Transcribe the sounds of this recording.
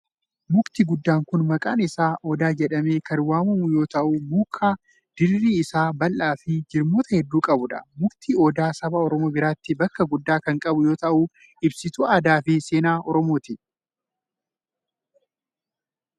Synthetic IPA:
mʊkt̪iɡʊd̪ːaːŋkʊnmɐkʼa̰ːnɪsaːʔɔd̪aːd͡ʒɛᶑɐme̞ːkɐnwaːmɐmʊjo̞ːt̪ɐʔʊmuːkʰːaː | d̪̥ɪrːiːɪsaːbɐlʔaːfɪd͡ʒɪɾmoːt̪ɐhɛd̪ːuːkʼɐbʊᶑɐ̥̰mʊkt̪iːɔd̪aːsɐbaɔɾɔmo̞ːbɪɾaːt̪ːɪbɐkːɐɡʊd̪ːaːkɐŋkʼɐbʊjo̞ːt̪ɐʔu | ɪbsɪt̪ʊaːd̪aːfɪse̞ːnaːʔɔɾɔmo̞ːt̪ɪ

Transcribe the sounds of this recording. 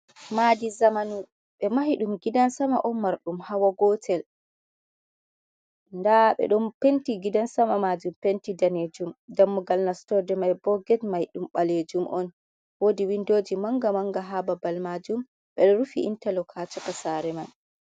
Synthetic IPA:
madizamanu | ɓɛmahiɗumɡidansamaʔɔnmaɾɗumhawaɡɔtʰɛl | ndaɓɛ̰ɗɔnpentiɡidansamamad͡ʒumpentidaned͡ʒumdamːuɡalnastɔdɛmajbɔɡɛtmahiɗumɓaled͡ʒumʔɔn | wodiwindoːd͡ʒimaŋɡamaŋɡaɦababalmad͡ʒum | ɓɛɗɔɾufḭʔḭntalɔkʰat͡ʃɔkasaɾɛman

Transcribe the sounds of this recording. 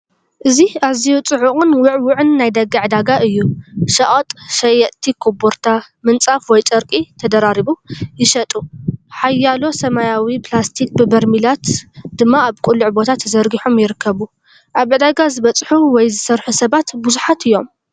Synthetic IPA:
ʔɨziazijut͡sʼɨʕuχʼɨnwʊʕwʊʕɨnːajd̪ɐɡɨʕɨd̪aɡaʔɨjːuʃɐʔʼot̪ʼʃɐjɐʔt̪ʰikʰoboɾt̪ʰa | mɨnt͡sʼafwɔjt͡sʼɐɾkʼit̪ʰɐd̪ɐɾaɾiβujɪʃɐt̪ʼuħajːalo̞sɐmajawipʰlast̪ʰik̚ʼbɨbɐɾmilat̪d̪̥ɨmːaaβkʼʊlːuʕbo̞t̪ʰat̪ʰzɐɾɡiħomjɪɾɨkʰːɐβu | ʔaβʕɨd̪aɡazɨβɐt͡sʼħuwɔjzɨsɐɾħusɐβat̪bɨzuħat̪ʰɨjːo̞m

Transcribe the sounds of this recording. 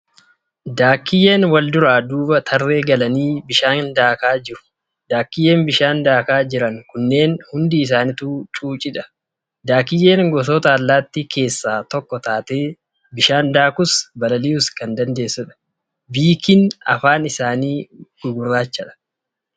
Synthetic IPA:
d̪aːkːɪje̞ːnwɐld̪ʊɾaːd̪uːbɐt̪ʰɐrːe̞ːɡɐlɐniːbɪʃaːŋnd̪aːkaːd͡ʒɪɾʊ̥ | d̪̥aːkːɪjeːnbɪʃaːnd̪aːkaːd͡ʒɪɾɐŋkʊnːe̞ːnhʊnd̪iːs̬aːnɪt̪uːt͡ʃʼuːt͡ʃʼɪᶑɐ̥ | d̪aːkɪje̞ːŋɡɔs̬oːt̪ɐːlːaːt̪ːikʰe̞ːsːaːt̪ɔkːɔt̪aːt̪e̞ː | bɪʃaːnd̪aːkʊsbɐlɐliːʊskɐnd̪ɐnd̪e̞ːsːʊᶑɐ̥ | biːkɪnɐ̰faːnɪsaːniːɡ̥ʊɡʊrːaːt͡ʃːɐᶑɐ̥

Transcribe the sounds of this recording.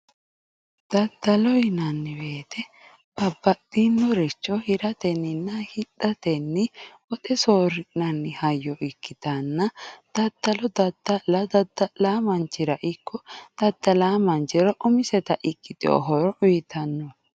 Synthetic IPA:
d̪̥ɐd̪ɐlɔjnɐnːɪbe̞ːt̪ʰɛ | bɐbːɐtːinːɔɾɛt͡ʃːɔhɪɾɐt̪ɛnːɪnːɐhɪᶑɐt̪ɛnːɪ | ɔt̪ʼɛsoːɾɪnɐnːɪhɐjːɔʔɪkːɪt̪ɐnːɐd̪̥ɐd̪̥ːɐlɔd̪ɐd̪ːɐlɐd̪ɐd̪ːɐlaːmɐnt͡ʃːɪɾɐʔɪkʰːɔd̪̥ɐd̪̥ːɐlaːmɐnt͡ʃɪɾɔʔʊmɪsɛt̪ɐʔɪkːɪt̪ʼɪo̰ɦɔɾɔʊjɪt̪ɐnːɔ

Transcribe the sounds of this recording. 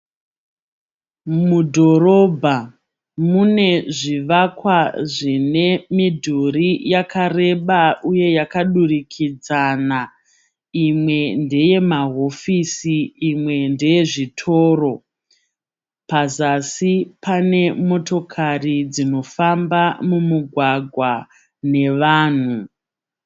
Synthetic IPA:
mudʱo̞ɾo̞bʱa | mune̞ʐiʋakwaʐine̞midʱurijakare̞ɓauje̞jakaɗurikʰid͡zana | imwe̞nde̞je̞maɦo̞fisiːmwe̞nde̞je̞ʐitʰo̞ːro̞ | pazasipʰane̞mo̞to̞kʰarid͡zino̞fambamumuɡʱwaɡʱwa | ne̞ʋaːn̤u

